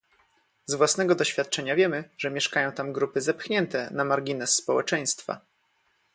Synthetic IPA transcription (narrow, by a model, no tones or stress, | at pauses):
zvwasnɛɡɔd̪ɔɕfʲjat̪̚t͡ʂɛɲavʲjɛmɘʐɛmʲjɛʂkajɔ̃w̃t̪amɡɾupɘzɛpxɲɛnt̪ɛnamaɾɡʲinɛsːpɔwɛt͡ʂɛj̃st̪fa̰